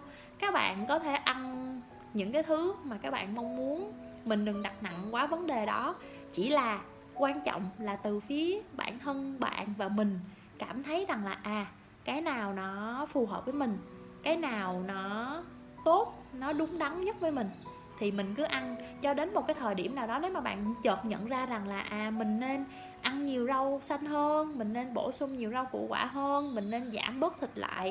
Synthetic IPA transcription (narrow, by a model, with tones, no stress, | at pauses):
kaː˦˥k̚ɓa̰ː˧˨nkɔ˨˦t̪ʰe˧˩ʔa˧n | ɲɨ̰˧˥ŋkaː˨˦jt̪ʰɨ˨˦maː˨˩kaː˦˥k̚ɓa̰ː˧˨nma˧wŋ͡mːmu˨˦ənmï˨˩ŋ̟ɗɨ˨˩ŋɗa˨˩t̚na̰˧˨ŋkwaː˨˦və˨˦nɗe˨˩ɗɔ˨˦ | t͡ɕi˧˩laː˨˩ | kwaː˧nt͡ɕɔ̰˧˨wŋ͡mlaː˨˩t̪ɨ˨˩fi˨˦əɓa̰ː˧˨nh̪ʰə˧nɓa̰ː˧˨nvaː˨˩mï˨˩ŋ̟ | kaː˧˩mt̪ʰə˨˦jza˨˩ŋlaː˨˩ʔaː˨˩ | kaː˨˦jnaː˨˩wnɔ˨˦fu˨˩ɦəː˨˩p̚vəː˨˦jmï˨˩ŋ̟ | kaː˨˦jnaː˨˩wnɔ˨˦ | t̪o˦˥t̚nɔ˨˦ɗʊ˨˦ŋ͡mɗa˨˦ŋ͡mɲə˦˥t̚vəː˨˦jmï˨˩ŋ̟ | t̪ʰi˨˩mï˨˩ŋ̟kɨ˨˦ʔa˧nt͡ɕɔ˧ɗe˨˦nmo˨˩kaː˨˦jt̪ʰəː˨˩jɗi˧˩əmnaː˨˩wɗɔ˨˦ne˨˦wmaː˨˩ɓa̰ː˧˨nt͡ɕəː˨˩t̚ɲə̰˧˨nzaː˧za˨˩ŋlaː˨˩ʔaː˨˩mï˨˩ŋ̟ne˧n | ʔa˧nɲi˨˩əwza˧wsa˧jŋ̟ɦəː˧nmï˨˩ŋ̟ne˧nɓo̰˧˩sʊ˧ŋ͡mɲi˨˩əwza˧wkṵ˧˩˥kwa̰ː˧˩ɦəː˧nmï˨˩ŋ̟ne˧nza̰ː˧˩mɓəː˦˥t̚t̪ʰï˨˩t̚la̰ː˧˨j